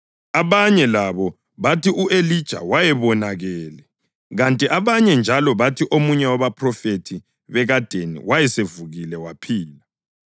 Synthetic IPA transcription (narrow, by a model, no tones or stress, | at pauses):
aβaɲɛlaβɔ | βatiʔuʔelid̥ʒ̥ʱa̰wajɛβɔnaɣɛːlɛ | ɣantʼiʔaβaɲɛnd͡ʒʱalɔβatʰiʔomuɲɛwaβapʰrɔfetʰi | βɛɣad̥ʱenḭwajɛsevuɣilɛwapʰiːla